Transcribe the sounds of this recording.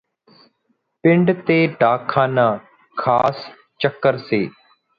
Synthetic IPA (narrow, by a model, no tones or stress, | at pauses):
pɪɳɖt̪eːɖʱaːkʰaːnãː | kʰaːs | t͡ʃəkːəɾseː